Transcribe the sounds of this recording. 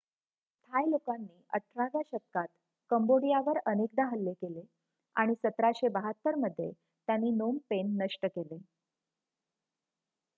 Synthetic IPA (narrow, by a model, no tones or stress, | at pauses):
t̪ʰajlokanːiːə̰ʈʰɾaʋjaɕət̪̚kat̪ | kəmboɽijaʋəɾənek̚d̪aɦəlːekele | a̰ɽ̃isət̪ɾaɕebəɦət̪ːəɾməd̪ʱːjḛ | t̪janiːnompenːəʂʈəkele